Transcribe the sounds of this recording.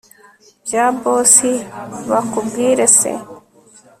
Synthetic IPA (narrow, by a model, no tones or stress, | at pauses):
d͡ʑaːboːsiwakuɡiːɾesḛ